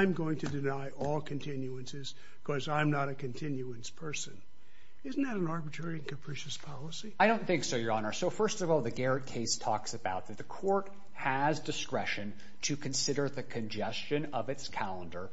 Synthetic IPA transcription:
ɪ̃mɡoʊɪ̃ŋtʰɨdɨnaɪʔɔlˠkʰɨ̃ntʰɪ̃njuɨ̃nsɪz̥ | kʰʌzãɪ̃mnəɾɨkʰɨ̃ntʰɪ̃njuɨ̃nspʰɜ˞sɨ̃n | ɪzn̩ðɨɾn̩ɑɹbɨtʰɹ̥ɛɹiɨ̃nkɨpʰɹ̥iʃɨspʰɑlˠəsiaɪɾõʊ̃nθɪ̃ŋksə˞jə˞ɑnə˞soʊfɜ˞stʌvɔlˠðɨɡɛɹɨt̚kʰeɪstʰɔksɨbaʊt̪̚ðɨt̪̚ðɨkʰɔɹt̚ | hɨzdɨskɹɛʃɨ̃n | tʰɨkʰɨ̃nsɪɾə˞ðɨkʰɨ̃nd͡ʒɛst͡ʃɨ̃nʌvɨtskʰælˠə̃ndə˞

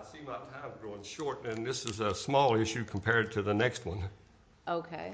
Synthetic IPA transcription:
ɪsimaɪtʰãɪ̃mɡɹoʊɪ̃ŋʃɔɹɾɨ̃nðɪsɨzəsmɔlˠɪʃʉkʰm̩pʰɛɹd̚tʰɨðənɛkst̚wʌ̃n | ʔoʊkʰeɪ

